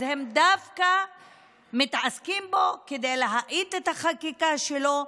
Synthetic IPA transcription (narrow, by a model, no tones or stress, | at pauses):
hemd̪avka | mit̪askimbo̞ked̪ejleɦaʔit̪et̪haχakikaʃelo̞